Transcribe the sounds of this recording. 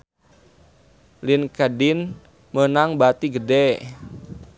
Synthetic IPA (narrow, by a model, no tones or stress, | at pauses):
linkadɪn | mənaŋbat̪iɡədɛ